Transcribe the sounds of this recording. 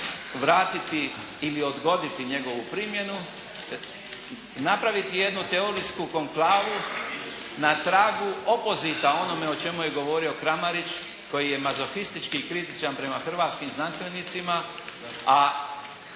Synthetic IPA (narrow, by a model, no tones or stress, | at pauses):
ʋɾaːt̪it̪iː | lio̞d̪ɡo̞d̪it̪iɲe̞ɡo̞ʋupɾimje̞nu | napɾaʋit̪ije̞d̪nut̪e̞oɾiskuko̞ŋklaːʋu | nat̪ɾaːɡuopo̞zit̪ao̞no̞me̞ot͡ʃe̞muje̞ɡo̞ʋo̞ɾio̞kɾamaɾit͡ʃ | ko̞jije̞mazoxist̪it͡ʃkiːkɾit̪it͡ʃanpɾe̞maxr̩ʋaːt̪skimznanst̪ʋe̞nit̪sima | a